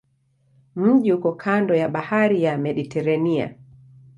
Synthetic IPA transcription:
m̩ʄihukɔkʰandɔjaɓahaɾijamɛɗitɛɾania̰

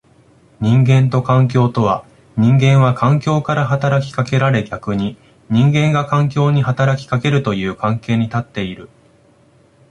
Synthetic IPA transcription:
ɲ̟ĩŋɡẽ̞nt̪o̞kãŋk̬ʲo̞ːt̪o̞βa | ɲ̟ĩŋɡẽ̞ɰ̃βakʰãŋkʲo̞ːkaɾaɦat̪aɾakʲi̥kake̞ɾaɾe̞ɡʲakɯ̟ɲ̟i | ɲ̟ĩŋɡẽ̞ŋɡakãŋk̬ʲo̞ːɲ̟iɦat̪aɾakʲi̥kake̞ɾɯ̟t̪o̞jɯ̟ːkãŋke̞ːɲ̟it̪at̪ːe̞iɾɯ̟

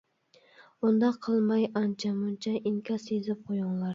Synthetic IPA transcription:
ʊnd̪aqʰɨlˠmajant͡ʃʰamʊnt͡ʃʰaɪŋkʲʰasezɪp̚qʰojʊŋlˠaɾ

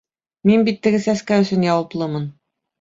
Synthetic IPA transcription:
minbit̪ːɘ̆ɡɘsæskæɵ̆sɵnjɑwɑplˠɤmɤn

